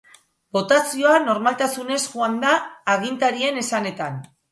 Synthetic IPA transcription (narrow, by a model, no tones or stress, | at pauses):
bo̞t̪asio̞ano̞ɾmalt̪asune̞sʝuand̪aːɣ̞int̪aɾie̞ne̞sane̞t̪an